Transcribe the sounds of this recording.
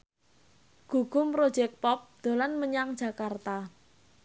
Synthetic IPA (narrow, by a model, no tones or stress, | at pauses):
ɡ̥ṳɡ̥ʊ̤mpɾo̥d͡ʒɛk̚pɔp̚d̪̥o̤lanməɲaŋd̥ʒ̥a̤kart̪a